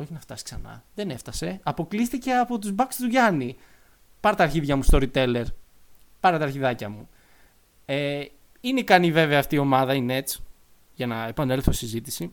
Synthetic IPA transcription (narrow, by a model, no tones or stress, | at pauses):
o̞çinɐft̪ɐsi̥ksɐnɐ̰ðene̞ft̪ɐse̞ɐpo̞klist̪ice̞ɐpo̞t̪uzbɐkst̪uʝɐni | pɐɾɐt̪ɐːɾçiðʝɐmust̪o̞ɾit̪e̞le̞ɾ | pɐɾɐt̪ɐːɾçiðɐcɐmu | e | inekɐnive̞veɐːft̪iːo̞mɐðɐine̞t͡s | ʝɐnɐe̞pɐne̞lθoisizit̪isi